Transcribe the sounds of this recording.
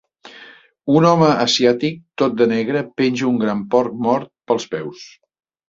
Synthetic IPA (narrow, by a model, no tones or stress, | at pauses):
unɔməʔəsiat̪ik̚t̪ot̪̚d̪ənɛɣɾəpenʲʒuŋɡɾampɔɾk̚mɔɾt̪̚pəlˠspɛws